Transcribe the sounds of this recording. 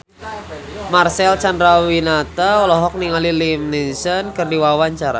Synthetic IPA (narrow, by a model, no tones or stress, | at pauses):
marsɛlt͡ʃandɾawinat̪aɔlɔɦɔk̚niŋalilimninsənkɨrdiwawaɲt͡ʃaɾa̰